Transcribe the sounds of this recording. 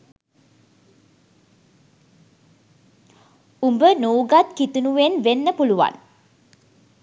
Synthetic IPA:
umbənuːɡat̪kit̪unuʋenʋenːəpuluʋa̰n

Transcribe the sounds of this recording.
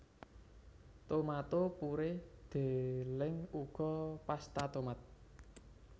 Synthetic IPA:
t̪omat̪opuɾɪhd̪̥elɪŋuɡ̥ɔpast̪at̪omat̪̚

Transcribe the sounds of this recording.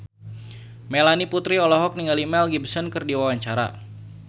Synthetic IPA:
melaniput̪ɾiɔlɔɦɔk̚niŋalimɛlɡibsənkɨrdiwawaɲt͡ʃaɾa̰

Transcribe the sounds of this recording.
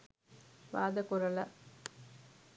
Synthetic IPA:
ʋaːd̪ɐkurɐlɐ

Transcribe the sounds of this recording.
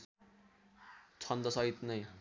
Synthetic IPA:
t͡sʰʌnd̪ʌsʌɦit̪nʌj

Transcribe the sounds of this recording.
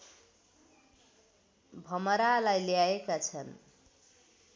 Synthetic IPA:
bʱʌmʌɾalajljaekat͡sʰʌn

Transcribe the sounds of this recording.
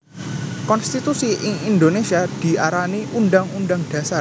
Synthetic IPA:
kɔnst̪it̪usiʔɪŋind̪onesiad̪̥i̤ʔaɾaniʔunɖaŋunɖaŋɖ̥ä̤sar

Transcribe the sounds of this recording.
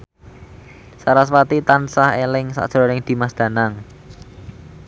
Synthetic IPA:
saɾaswat̪it̪ansaɦelɪŋsa̰ʔʒ̥ɾɔnɪŋd̪̥i̤masd̪̥ä̤naŋ

